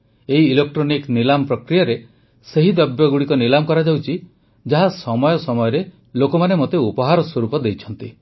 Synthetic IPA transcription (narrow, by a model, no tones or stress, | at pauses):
eɦiːlek̚ʈɾoniknilampɾɔkɾijaɾe | seɦid̪ɔbjɔɡuɽikɔnilamɔkɔɾad͡ʒawt͡ʃʰi | d͡ʒaɦasɔmɔjɔsɔmɔjɔɾe | lokɔmanemot̪eupɔɦaɾɔswɔɾupɔd̪ejt͡ʃʰɔnt̪i